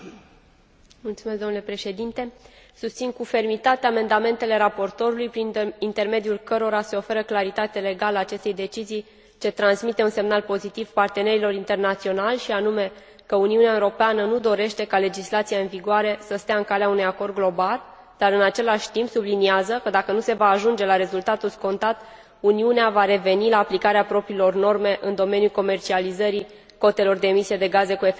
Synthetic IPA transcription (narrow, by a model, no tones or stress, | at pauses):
mult̪sume̞sd̪o̞nule̞pɾe̞ʃe̞d̪int̪e̞ | sust̪sinkufe̞rmit̪at̪eame̞nd̪ame̞nt̪e̞le̞ɾapo̞rt̪o̞ɾulujpɾiint̪e̞rme̞d̪julkəɾo̞ɾase̞o̞fe̞ɾəklaɾit̪at̪ele̞ɡalaːt͡ʃe̞st̪e̞jd̪e̞t͡ʃizij | t͡ʃe̞t̪ɾansmit̪e̞unse̞mnalpo̞zit̪iv̥part̪e̞ne̞ɾilo̞ɾint̪e̞rnat̪sio̞nalʲʃianume̞ | kəuniuneaeuɾo̞peanənud̪o̞ɾe̞ʃt̪e̞kale̞d͡ʒislat̪sijaɨnviɡoaɾe̞səst̪eaɨŋkaleaunujako̞rd̪̚ɡlo̞bal | d̪̥aɾɨnat͡ʃe̞laʃʲt̪impsubliniazəkəd̪akənuse̞vaːʒund͡ʒe̞laɾe̞zult̪at̪ulsko̞nt̪at̪ | uniuneavaɾe̞ve̞nilaːplikaɾeapɾo̞pɾiːlo̞rno̞rme̞ʔɨnd̪o̞me̞njulko̞me̞rt͡ʃializəɾi | ko̞t̪e̞lo̞rd̪e̞ːmisie̞d̪e̞ɡaze̞kue